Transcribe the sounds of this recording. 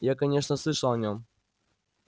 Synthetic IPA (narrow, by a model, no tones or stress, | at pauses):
jakɐnʲeʂnəslˠɨʂəlˠɐnʲom